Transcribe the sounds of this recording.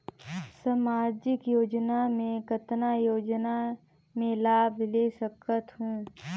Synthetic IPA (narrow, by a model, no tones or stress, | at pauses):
samaːd͡ʒɪkjoːd͡ʒnamẽkət̪najoːd͡ʒna | mẽlaːbʱleːsəkət̪ɦũː